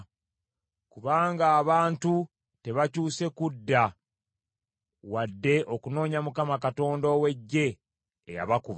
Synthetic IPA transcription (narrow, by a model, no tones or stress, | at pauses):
kuβaːŋɡaːβaːntu | te̞βacuːse̞kudːa | wadːe̞ʔokuno̞ːɲamukamakato̞ːndowe̞ɟːe̞̰ː | ja̰βakuβ